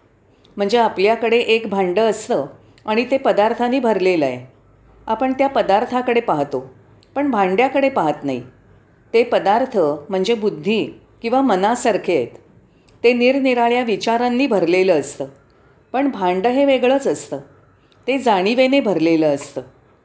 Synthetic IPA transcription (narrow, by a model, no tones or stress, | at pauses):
m̤əɳd͡zeapljakəɽeʔekbʱãɳɖəəst̪əː | aɽ̃it̪epəd̪aɾt̪ʰaniːbʱəɾleləe | apəɳt̪japəd̪aɾt̪ʰakəɽepaɦt̪o | pəɳbʱãɳɖjakəɽepaɦət̪naḭ | t̪epəd̪aɾt̪ʰəm̤əɳd͡zebud̪ʱːiː | kĩw̃ʋamənasaɾkʰeet̪ | t̪ːeniɾniɾaɭjaʋit͡ɕaɾanːiːbʱəɾleləəst̪əː | pəɳbʱãɳɖəɦeʋeɡɭəːt͡səst̪əː | t̪ed͡zaɽ̃iʋenebʱəɾleləəst̪əː